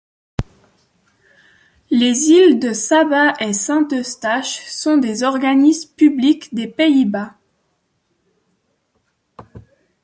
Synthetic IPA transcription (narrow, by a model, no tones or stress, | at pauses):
lezild̪əsabaʔesɛ̃t̪əst̪aʃsɔ̃d̪ezɔʁɡanismpyblikd̪epeiba